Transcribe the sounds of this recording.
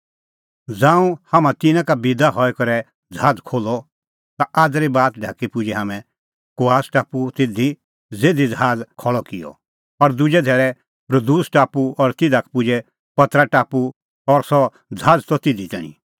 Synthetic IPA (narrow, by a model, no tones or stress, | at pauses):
d͡zãːũhamãt̪ɪnãkabɪd̪aɦɔɛkɐɾɛ | d͡zʱaːd͡zkʰoːlɔ | t̪aʔaːd̪ɾibaːt̪ɖʱa̰ːkipʊd͡ʒɛɦaːmɛ̃ | koaːsʈaːput̪ɪd̪ʱi | d͡zeːd̪id͡zʱaːd͡zkʰɔɭɔkɪjɔ̰ | pɐɾd̪ʊd͡ʒɛd̪ʱɛːɾɛ | pɾəd̪uːsʈaːpuɔɾt̪ɪd̪ʱakpʊd͡ʒɛ | pɐt̪ɾaʈaːpu | ɔɾsɔ | d͡zʱaːd͡zt̪ɔt̪ɪd̪it̪ɛːñḭ̃